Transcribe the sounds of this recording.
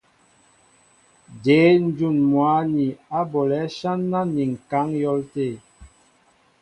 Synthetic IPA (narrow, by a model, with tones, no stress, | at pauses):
de˨˦n̩˦d͡ʒu˦˨nmwa˨˦ni˨a˦bo˨lɛ˨˦ʃa˦nːa˦ni˨ŋ̩˨ka˨˦ŋjɔ˦lte˦˨